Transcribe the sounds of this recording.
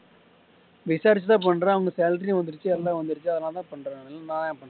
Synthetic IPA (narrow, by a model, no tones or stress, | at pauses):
ʋɪsaːɾɪt͡ʃːɐt̪ãːpɐɳːɾãːɐʋɐŋɡɐsejːlt̪̬ɪɾiʋɐnd̪ɯɾɯt͡ʃːɯɛlːaːʋɐnd̪ɯɾɯt͡ʃːɯɐðɐlːãːt̪ãːpɐɳːɾaːɛlːãnãːjãpɐɳː